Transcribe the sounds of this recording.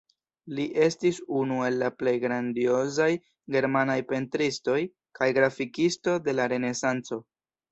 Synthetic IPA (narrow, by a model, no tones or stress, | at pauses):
liʔe̞stisunue̞lːaple̞jɡɾandio̞zaj | ɡe̞ɾmanajpe̞ntɾisto̞j | kajɡɾafikisto̞de̞laɾe̞ne̞sant͡so̞